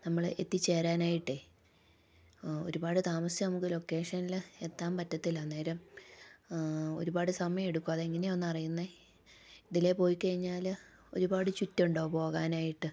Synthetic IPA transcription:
nɐmːɐɭe̞̰t̪ːit͡ɕːe̞ːɾaːnaːjiʈːɨ | o̞ɾubaːɽɨt̪aːmɐsjɐnɐmukːɨlo̞kːe̞ːʂɐnile̞t̪ːaːmpɐtːɐt̪ːilɐnːeːɾɐm | o̞̰ɾubaːɽɨsɐmɐjɐme̞ɽukːuɐðeiŋːɐneo̞nːuɐrijunːe | iðile̞po̞ːjikɐɻiɲːaːl | o̞̰ɾubaːɽɨt͡ɕutːuɳɖo̞ːpo̞ːɣaːnaːjiʈːɨ

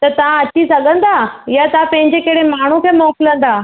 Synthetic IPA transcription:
t̪ɐt̪ɐʋ̤ãɐt͡ɕisɐɠə̃nd̪ajat̪ãpɐ̃ɦɪ̃ɲd͡ʑekeɽemaːɳ̤ũkʰeːmɔːklə̃n̆d̪aː

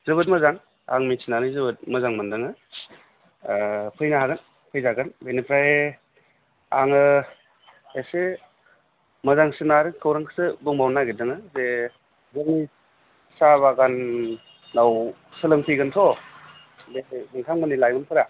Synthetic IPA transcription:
zɯbɯt̬̚mɐzaŋ | a̰ŋmisʰinanɯjzɯbɯt̚mɐzaŋmɯndɯŋɯ | pʰɯjnaɦaɡan | pʰɯjzaɡanbejnipʰɾae | aŋɯ | ese | mɐzaŋsɯnaɾɯkʰɯwɾaŋkʰsɯbɯŋbawnaɡidɯŋɯze | zɯŋni | saβaɡanː | aw | sɯlɯŋpʰɯjɡɯntʰɔ | bebɯŋtʰaŋmɯnilajmɯnpʰɯɾa

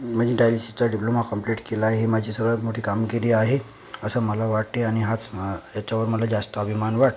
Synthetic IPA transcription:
m̤əd͡ʑĩɖajlisit͡ɕaɖiplomakəmpleʈkelaɦemad͡ʑʱiːsəɡəɭat̪moʈʰiːkamɡiɾiːaɦe | əsəməlaʋaʈeaɽ̃iɦat͡sjat͡ɕaʋəɾməlad͡ʑast̪əəbʱimanʋaʈ

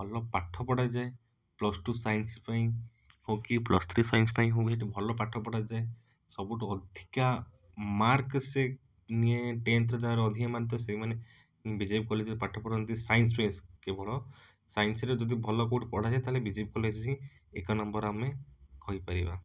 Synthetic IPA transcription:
bʱɔlɔpaʈʰɔpɔɽajd͡ʒae | plɔsʈusajnspaĩ | hokiplɔ̰st̪ʰɾisajnspaĩɦokieʈibʱɔlɔpaʈʰɔpɔɽad͡ʒae | sɔbuʈuɔd̪ʱika | maɾkse | nieʈent̪ɾɔd̪aaɾɔd̪ʱiemant̪̬ɔsejmane | ĩbid͡ʒeb̚kɔlit͡ʃipaʈʰːɔpɔɽnt̪isajns̬peskebʱɔɭɔ | sajnsɔɾed͡ʒɔd̪ibʱɔlɔkoʈpɔɽ̤ad͡ʒajt̪aɦlebid͡ʒeb̚kɔlet͡ʃʰɔt͡ʃʰĩ | ekɔnɔmbɔɾamekɔɦjpaɾiba

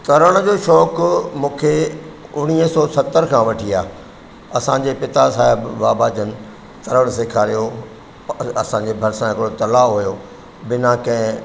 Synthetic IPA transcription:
t̪ɐɾəɽ̃d͡ʑoːʃɔːkmũːkʰeʊɽ̃iːəsɔːsɐt̪əɾkʰãʋɐʈʰiaː | ɐsãɲd͡ʑepɪt̪asaːɪbːaːbad͡ʑən̆ | t̪ɐɾəɽ̃seːkʰaːɾijo | ɐ̰sãɲd͡ʑebʱɐɾsãɦɪkɪɽot̪ɐlaːɦʊjo | bɪnãkɐ̃ɦɪ̃

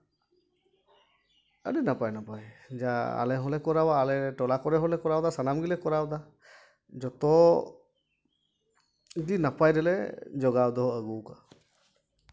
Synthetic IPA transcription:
ə̰ɖinapajnapajd͡ʒaa̰lɛɦɔlɛkɔɾawaːlɛʈɔlakɔɾɛɦɔlɛkɔɾawd̪asanamɡilɛkɔɾawd̪a | d͡ʒɔt̪ɔ | ɡinapajɾɛlɛd͡ʒɔɡawd̪ɔɦɔəɡuka

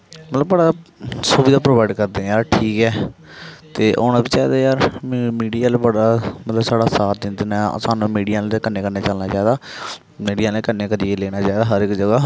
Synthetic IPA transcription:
mət̪ləbbəɽaːsuːbiːd̪aːpɾoːbaːɪɖkəɾd̪ẽjaːɾʈʰiːkɛː | t̪eːʔoːñaːbiːt͡ʃaːd̪eːjaːɾmiːɖijaːlebəɽaːmət̪ləbsaːɽaːsaːt̪̚d̪ɪ̃nd̪na̰saːnũːmiːɖijãːlːkəneːkəɾneːt͡ʃəlnaːt͡ʃaːiːd̪aː | miːɖijãːlekəneːkəɾieleːɽ̃aːt͡ʃaːd̪aːɦəɾɪkd͡ʒəɡaː

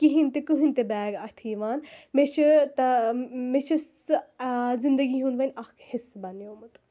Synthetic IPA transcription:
kiɦint̪ekuɦinʲt̪ebɛːɡɐt̪ʰiːʋaːnmet͡ʃʰit̪ɐmet͡ʃʰis | zind̪ɐɡiɦũnʋɐnʲɐhkhisbɐnjoːmɐt̪u̥

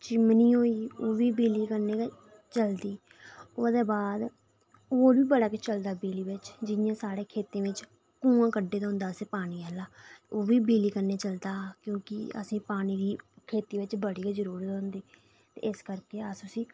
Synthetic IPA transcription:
t͡ʃɪmniːɦoːiːoːʋiːbiːliːkəɾneː | t͡ʃəld̪iː | oːd̪eːbaːd̪ | oːʋiːbəɽaːkɪt͡ʃəld̪aːbiːliːbɪt͡ʃd͡ʒɪjãːsaːɽeːkʰeːt̪ẽːʋɪt͡ʃ | kũːãːkəɖːeːt̪ːɦʊ̃nd̪aːseːpaːɽ̃iːɛːlaːoːʋiːbiːliːkəneːt͡ʃəld̪aːkjõːkɪ̰ə̰sĩːpaːɽ̃iːɾiːkʰeːt̪iːʋɪt͡ʃbəɽiːɡad͡ʒəɾuːɾt̪ːʊ̃nd̪iː | t̪ḛːɪskəɾkeːəsʊsĩː

